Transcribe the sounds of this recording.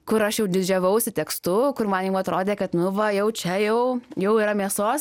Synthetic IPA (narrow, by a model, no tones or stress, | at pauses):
kʊɾɐʃjɛʊd̪ʲɪd͡ʒʲɛʋɐʊsʲɪt̪ʲɛkst̪ʊkʊrmɐnjɛʊɐt̪ɾoːd̪ʲeːkɐt̪nʊʋɐjɛʊt͡ʃʲɛjɛʊjɛʊiːɾɐmʲiɛsoːs